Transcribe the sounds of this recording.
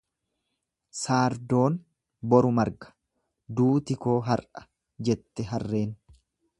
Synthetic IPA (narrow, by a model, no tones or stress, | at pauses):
saːɾd̪o̞ːn | bɔɾʊmɐɾɡɐ̥ | d̪uːt̪ɪko̞ːɦɐrʔɐ̥ | d͡ʒɛt̪ːɛɦɐrːe̞ːn